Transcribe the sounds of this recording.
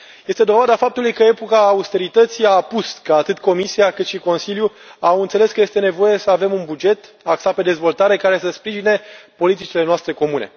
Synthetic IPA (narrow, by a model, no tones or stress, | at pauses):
je̞st̪e̞d̪o̞vad̪afap̚t̪ulujkəe̞pokaːust̪e̞ɾit̪ət̪siaːpuskəat̪ɨt̪ko̞misiakɨt̪ʃiko̞nsilju | awɨnt̪sele̞skəje̞st̪e̞ne̞vo̞je̞səave̞munbud͡ʒe̞t̪ | aksape̞d̪e̞zvo̞lt̪aɾe̞kaɾe̞səspɾiʒine̞po̞lit̪it͡ʃile̞noast̪ɾe̞ko̞mune̞̰